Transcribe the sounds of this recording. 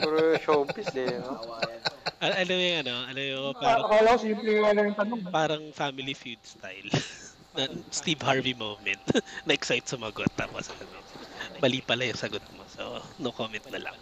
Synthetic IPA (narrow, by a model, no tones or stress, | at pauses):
ɡuɾoʃoʔʊmpɪsɛoaʔɐʔɐlojʊŋɐno̞ʔɐlojʊpaːɾɐkalɐsimplɛalɐjɐŋpɐnoŋpaːɾɐŋfamɪlifjud̪̚st̪ajl | nɐst̪ivhaɹvimowmɛnt̪nɐʔɛksajt̪sɐmɐɐɡot̪ːa̰ːposʔɐnobɐliːpɐlɐjʊŋsɐɡot̪̚moso̰nokoːmɛnt̪̚nɐlɐ̰ŋ